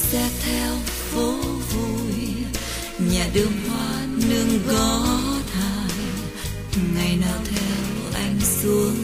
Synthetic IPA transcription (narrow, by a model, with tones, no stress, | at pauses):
sɛ˧t̪ʰɛ˧w | fo˨˦ | vu˧˩j | ɲaː˨˩ɗɨ˧əŋhwaː˧nɨ˧əŋkɔ˨˦t̪ʰaː˧˨˩j | ŋa˨˩jnɔ˨˦t̪ʰɛ˧wʔa˧jŋ̟su˨˦əŋ